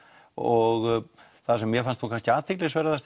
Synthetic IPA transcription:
ɔɣ | θasɛmːjɛfanst̪uŋkʰanscɪaːt̪ʰɪklɪsvɛːɾaðθast̪

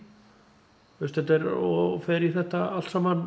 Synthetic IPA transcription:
θʏst̪ɛt̪ɛɾɔ̰fɛɾiθɛht̪aalt̪saːman

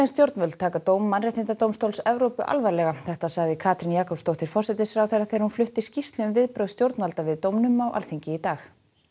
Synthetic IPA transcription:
ɛnst̪jowɾt̪nvœlt̪t̪ʰːaːkat̪oːwmːanrɛht̪ɪnt̪at̪owmst̪owlsɛvɾowpʏʔa̰lvaɾlɛɣaθɛht̪asaɣðɪkʰaːt̪ɾɪnjaːkɔpst̪owht̪ɪɾ̥fɔr̥sɛt̪ɪsɾawθɛɾːaθɛɾhunflʏht̪ɪscist̪lʏmvɪðpɾœɥst̪jowɾt̪nvalt̪avɪðt̪owmnʏmawʔa̰lθiɲcɪit̪aːx

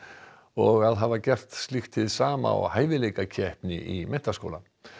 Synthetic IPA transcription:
ɔɣaðɦaːvacɛr̥t̪st̪lɪxt̪ʰɪðsaːma̰ɔ̰ɣhaːjvɪlejkacʰɛhpnɪʔimɛnt̪asko̰ːwla

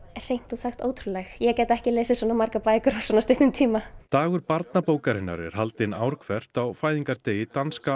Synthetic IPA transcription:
r̥ejn̥t̪asaxt̪oːwt̪ʰɾulɛxjɛcɛːt̪aɛhcɪleːsɪsvɔːnamaɾkapaːjkʏɾḁsɔnast̪ʏht̪ʏmt̪ʰiːmat̪aːɣʏɾpaɾt̪napoːwkaɾɪnːa̰ɾɛ̰ɾ̥halt̪ɪnaːwɾkʰvɛr̥t̪awfaːjðiŋkaɾt̪eːjɪt̪anska

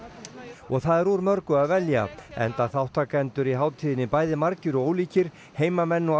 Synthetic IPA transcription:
ɔɣθaðɛɾuɾmœɾkʏaðvɛlja̰ɛ̰nt̪aθawht̪ʰaːkaɛnt̪ʏɾiɦaːwt̪ʰiːðɪnɪpajðɪmaɾcɪɾɔɣoːwliːcɪɾ̥ | heːjmamɛnːɔ

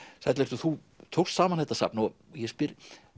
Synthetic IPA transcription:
θat̪lɛɾt̪ʏθu | t̪ʰow̥st̪saːmanθɛt̪ːasa̰pnɔjɛspɪɾ

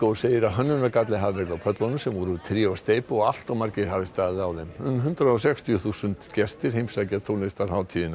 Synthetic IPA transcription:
kowseːjɪɾaðɦœnːʏnakat̪lɪɦavvɛɾðawpʰœt̪lɔnʏsɛmvɔɾʏt̪ʰɾɛɔst̪eːjpɔɣal̥t̪awmaɾcɪɾ̥havɪst̪aːððɪawðemʏnɦʏnt̪ɾaɔsɛkst̪ʰijʏθusʏnt̪cɛst̪ɪɾ̥hejmsacat̪ʰolnɪst̪aɾhaːwt̪ʰiːðɪn

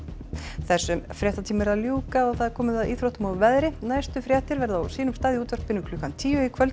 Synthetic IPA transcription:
θɛsːʏmfɾjɛht̪at̪ʰiːmɪɾaðljuːkaɔɣθaðɾkʰɔːmɪðaðʔiːθɾowht̪ʏmawvɛðɾɪnajst̪ʏfɾjaht̪ɪɾvɛɾðawsiːnʏmst̪aːðjɪuːt̪vœɾ̥k̚pɪnːʏkʰlʏːkant̪ʰiːʏikʰvœl

